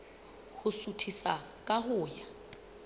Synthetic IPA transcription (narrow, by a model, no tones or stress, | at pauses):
hʊsutʰisakʼaɦʊːja